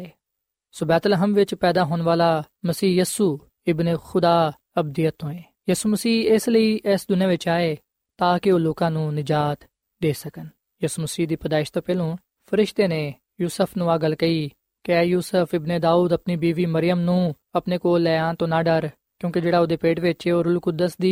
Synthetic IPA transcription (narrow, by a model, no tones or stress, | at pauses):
soːbɛːt̪ləɦəmʋɪt͡ʃpɛːd̪aːɦoːnʋaːlaː | məsiːjiːsuː | ɪbneːxʊd̪aː | əb̚d̪ɪjət̪ːõːeː | jiːsuːməsiːesləiːʔɛsd̪ʊnjãːʋɪt͡ʃaːeː | t̪aːkeoːloːkãːnũːnɪd͡ʒaːt̪ | d̪eːsəkən | jiːsuːməsiːɦd̪iːpəd̪aːɪʃt̪õːpɛːlõː | pʰəɾɪʃt̪eːneː | juːsəpʰnũːaːɡəlkəiː | kɛːjuːsəpʰɪbneːd̪aːuːd̪əpniːbiːʋiːməɾɪjəmnũː | əpneːkoːlːɛːaːnt̪õːnaːɖəɾ | kjõːked͡ʒeːɽaːoːd̪eːpeːʈʋɪt͡ʃeoːɾʊlkʊd̪əsd̪iː